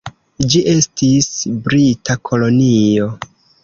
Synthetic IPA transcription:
d͡ʒiʔe̞stisbɾitakʰo̞lo̞nio̞

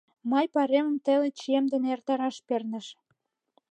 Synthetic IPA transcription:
mɑjpɑɾemə̆mt̪elet͡ɕemd̪enert̪ɑɾɑʃpernə̆ʃ

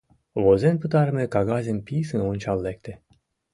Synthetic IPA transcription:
vozenpɨt̪aɾmekaɡazʲenpʲisɨnunʲt͡ʃalːek̚t̪e

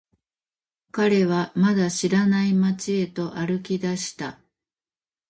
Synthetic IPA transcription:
kaɾe̞β̞amad̪aɕiɾanaimat͡ɕie̞t̪o̞ʔaɾɯ̟kʲid̪aɕi̥t̪a

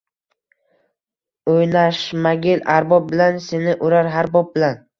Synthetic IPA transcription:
ojnaʃmaɡʲɪlʔaɾbɒp̚bɪlanse̞nɪʔʊɾaɾɦaɾbɒb̚bɪlan

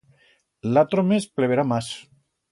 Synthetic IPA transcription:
lat̪ɾomespleβeɾamas

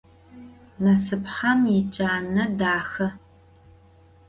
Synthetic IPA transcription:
mɐsɨpħɐmjɪt͡ʃʼaːnɐdaːxɐ

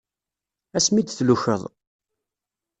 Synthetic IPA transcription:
æsmid̪θluçə̰ðˤ

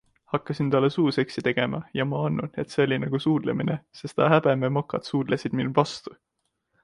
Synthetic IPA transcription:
hɑkːˑɑsint̪ɑlːesuːse̞ksit̪e̞ɡ̥e̞mɑ̰jɑmɑɑnːune̞t̪seolʲinɑɡ̥usuːd̪̥lḛminese̞st̪ɑhæbememɑkːˑɑ̰t̪suːd̪̥lesid̪̥minvɑst̪u

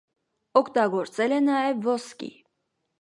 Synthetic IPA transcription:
ɔkʰt̪ɑɡɔɾt͡sɛlɛnɑjɛvːɔskḭ

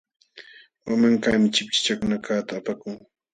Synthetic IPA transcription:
wamaŋkaːmɪt͡ʃɪp̚t͡ʃɪ̥t͡ʃakʊnakaːt̪aːpakʊŋ

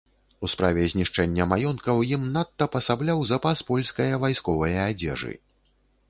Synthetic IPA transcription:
uspɾavʲɛzʲnʲiʂt͡ʂɛnʲːɐmajɔnkɐwjimnat̪ːɐpɐsablʲawzɐpaspɔlʲskɐjɐvajskɔvɐjɐːd͡zʲɛ̰ʐɨ̰

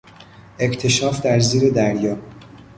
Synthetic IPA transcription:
ʔe̞ct̪ʰe̞ʃɒːfd̪æɾziːɾe̞d̪æɾjɒː

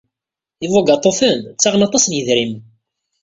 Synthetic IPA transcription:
ivˤoɡɑt̪ˤːofənt͡sːaʁənɑt̪ˤːɑsnjəðɾim

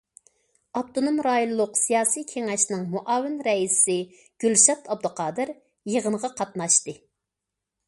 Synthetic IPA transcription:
ɑp̚t̪ʰonomɾɑːjulˠlˠʊqsijɑːsijkʲʰeŋɛʃnɪŋmuʔɑːwɪnɾɛissɪ | ɡ̥ʲylʃɑt̪ʰɑb̚d̪ʊqʰɑːd̪ɨɾ | jəʁənəʁɑqʰɑt̪nɑʃt̪ɨ

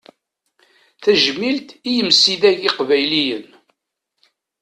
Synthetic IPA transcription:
θæʒmilt̪ijəmsiðæʝiqvæjlijən

